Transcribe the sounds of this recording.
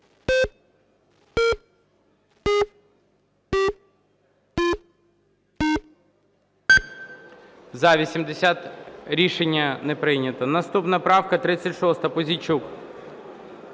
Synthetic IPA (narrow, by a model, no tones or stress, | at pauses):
zɐʋʲisʲimd̪esʲat̪ɾʲiʃenʲːɐnɛpɾɪnʲɐt̪ɔnɐst̪upnɐpɾɑwkɐt̪ɾɪt͡sʲːɐtʲʃɔst̪ɐpɔzʲit͡ʃuk